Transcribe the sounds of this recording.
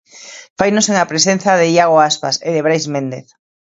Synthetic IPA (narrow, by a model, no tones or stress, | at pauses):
fajnoseŋapɾesẽnθaðeiaɣ̞oaspaseðeβ̞ɾajzmẽnd̪eθ